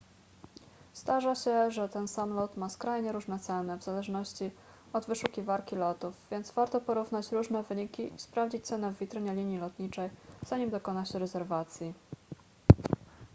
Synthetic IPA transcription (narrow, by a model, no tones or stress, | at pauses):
z̥d̪aʐaɕɛʐɛt̪ɛnsamlɔt̪maskɾajɲɛɾuʐnɛt̪sɛnɘvz̥alɛʐnɔɕt͡ɕi | ɔd̪vɘʂukʲivaɾkʲilɔt̪uvvʲjɛnd̪zvaɾt̪ɔpɔɾuvnat͡ɕɾuʐnɛvɘɲikʲiʔispɾavd͡ʑit͡ɕt̪sɛnɛvːʲit̪ɾɘɲɛlʲiɲjilɔt̪ɲit͡ʂɛjzaɲimd̪ɔkɔnaɕɛɾɛzɛɾvat̪sʲji